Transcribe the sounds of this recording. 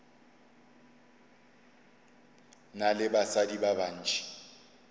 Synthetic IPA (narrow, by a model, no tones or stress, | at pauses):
nalɪbasadibaban̩ːt͡ʃʰʼi̥